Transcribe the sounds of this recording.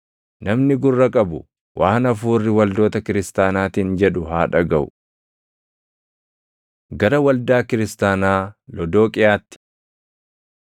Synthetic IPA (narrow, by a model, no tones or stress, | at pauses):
nɐmnɪɡʊrːɐkʼɐbʊ | wʔaːnɐfuːrːɪwɐld̪o̞ːt̪ɐkɪɾɪst̪aːnaːt̪iːnd͡ʒɛᶑʊɦaːᶑɐɡɐʔʊ̰ | ɡɐɾɐwɐld̪aːkɪɾɪst̪aːnaːlɔd̪o̞ːkʼɪjaːt̪ːɪ̥